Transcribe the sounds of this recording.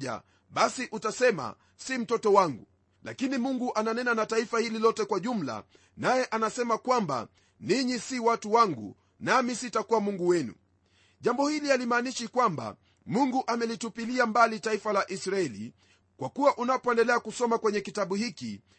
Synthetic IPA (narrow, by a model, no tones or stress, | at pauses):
a̰ | ɓasiʔutasɛma̰ | sim̩tɔtɔwaŋɡṵ | la̰kinimuŋɡuʔananɛnanataifahililɔtɛkwaʄum̩la̰ | najɛʔanasɛmakwamba̰ | niɲisiwatuwaŋɡṵ | namisitakuwamuŋɡuwɛnṵ | ʄambɔhilialimaːniʃikwamba̰ | muŋɡuʔamɛlitupiliambalitaifalaʔisɾaɛlḭ | kwakuwaʔunapɔɛndɛlɛakusɔmakwɛɲɛkitaɓuhikḭ